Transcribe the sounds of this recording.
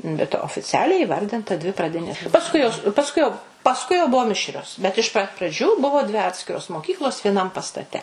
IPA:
bʲɛt oːfʲɪˈt͡sʲæːlʲɛɪ iːˈʋɐrʲdʲɪntɐ ˈdʲʋʲɪ prɐˈdʲɪnʲeːs pɐsˈkʊɪ joːs pɐsˈkʊɪ jɛʊ pɐsˈkʊɪ jɛʊ ˈbʊʋoː ˈmʲɪʃʲrʲoːs bʲɛt ɪʃ pɐt prɐˈd͡ʒʲuː ˈbʊʋoː dʲʋʲɪ ˈɑːtʲsʲkʲɪroːs moːˈkʲiːklˠoːs ʋʲiɛˈnɐm pɐstɐˈtʲɛ

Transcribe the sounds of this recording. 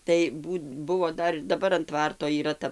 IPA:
tɐɪ ˈbuːt ˈbʊʋoː ˈdɐr ɪr dɐˈbɐr ɐn ˈtʋɐrtoː iːˈrɐ ˈtɐ

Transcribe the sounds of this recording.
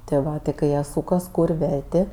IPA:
tʲɪ ˈʋɐ tʲɪ kɐɪ ˈjiɛ ˈsuːkɐs ˈkuːrʲ ˈʋʲɛrʲtʲeː

